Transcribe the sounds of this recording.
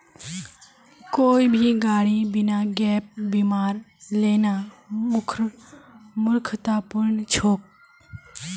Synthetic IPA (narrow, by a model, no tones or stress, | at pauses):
koːiːbʱiːɡaːɽiːbɪnaːɡɛːp̚bimaːɾleːnaː | mʊkʰɾ | mʊɾkʰət̪aːpʊɾɳt͡ʃʰoːk̚